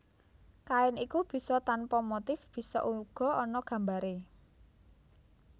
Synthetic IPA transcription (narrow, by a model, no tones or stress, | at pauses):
kaɪnikub̥i̤sɔt̪anpɔmot̪ɪfb̥i̤sɔ̰ʔuluɡ̥ɔ̤ɔnɔɡ̥a̤mbaɾe